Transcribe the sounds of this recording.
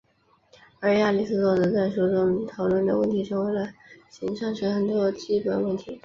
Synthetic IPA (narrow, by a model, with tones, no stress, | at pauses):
ə˞˧˥ja˥˧li˥˩˧sɹ̩˥t͡swɔ˥˧t͡sɤ˧˥t͡sa˥˩ɪʂu˥ʈ͡ʂʊ˥ŋt̪ʰɑ˨˧˥ʊlwə˥˩nd̪ə̰˩wə˥˩nt̪ʰi˧˥ʈ͡ʂʰɤ˧˥ŋwe˧˥ɪlə˧ɕi˧˥ŋʂɑ˥˩ŋʈ͡ʂʰə˧˥xə˨˩nt̪wɔ˥t͡ɕi˥pə˨˩nwə˥˩nt̪ʰi˧˥